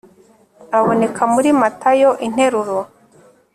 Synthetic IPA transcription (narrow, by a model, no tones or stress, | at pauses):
aβo̞ne̞kʰamuɾimatajo̞ʔin̥he̞ɾuɾo